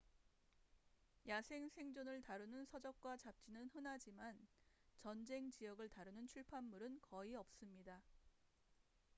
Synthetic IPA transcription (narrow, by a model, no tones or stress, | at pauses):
jasʰe̞ŋsʰe̞ŋd͡ʑonɯɭtaɾɯnɯnsʰʌd͡ʑʌk̚k͈wat͡ɕap̚t͡ɕ͈inɯnɦɯnad͡ʑimant͡ɕʌnd͡ʑe̞ŋt͡ɕijʌɡɯɭtaɾɯnɯnt͡ɕʰuɭpʰamːuɾɯnkʌiʌp̚s͈ɯmɲida